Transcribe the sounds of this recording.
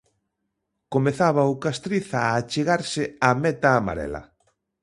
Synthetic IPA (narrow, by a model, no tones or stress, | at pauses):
komeθaβaʊkast̪ɾiθaːt͡ʃeɣaɾsɪamɛt̪aːma̰ɾɛ̰lɐ̰